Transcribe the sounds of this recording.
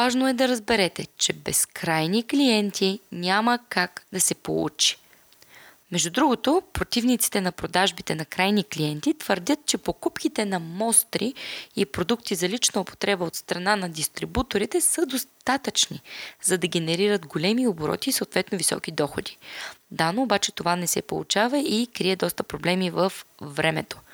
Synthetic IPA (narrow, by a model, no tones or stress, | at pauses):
vaʒnoɛd̪ɐɾɐzbɛɾɛt̪ɛt͡ʃɛbɛskɾajniklijɛnt̪ʰinʲaməkaɡd̪ɐsɛpo̰lˠṵt͡ʃi̥ | mɛʒd̪ud̪ɾuɡot̪opɾot̪ivnit̪si̥t̪ɛnɐpɾod̪aʒbit̪ɛnɐkɾajnikliɛnt̪it̪vəɾd̪ʲət̪̚t͡ʃɛpokupkʲit̪ɛnɐmɔst̪ɾiipɾod̪ukt̪izɐlit͡ʃnəopo̥t̪ɾɛbəot̪st̪ɾɐnanɐd̪ist̪ɾibut̪oɾit̪ɛsəd̪ost̪at̪ət͡ʃnizɐd̪ɐɡʲɛnɛɾiɾəd̪ɡolɛmioboɾɔ̰t̪iːsəot̪vɛt̪novisɔ̰kid̪ɔxod̪i̥d̪anoːbat͡ʃɛt̪ovanɛsɛ̰po̰lˠṵt͡ʃavəikɾiɛd̪ɔst̪əpɾoblɛmivəfvɾɛmɛ̰t̪o̥